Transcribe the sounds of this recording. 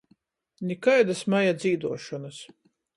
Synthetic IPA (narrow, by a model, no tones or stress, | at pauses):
nʲikajd̪asmajad̪ziːd̪uɔʃɔnas